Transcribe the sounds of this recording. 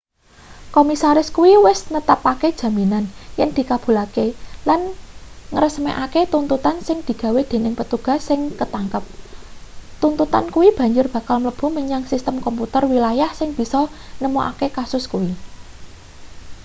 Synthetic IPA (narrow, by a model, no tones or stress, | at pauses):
komisaɾɪskuwiwɪsnət̪apaked̥ʒ̥ä̤minanjɛŋd̪̥i̤kab̥ṳlakelanŋəɾəsmeʔaket̪unt̪ut̪ansɪŋd̪̥i̤ɡ̥a̤wed̪̥e̤nɪŋpət̪uɡ̥a̤sːɪŋkət̪aŋkəp̚ | t̪unt̪ut̪a̰nkuwib̥a̤ɲd͡ʒʊrb̥ä̤kalmləb̥ṳməɲaŋsist̪əmkɔmput̪ərwilajahsɪŋb̥i̤sɔnəmoʔa̰kekasʊskuwi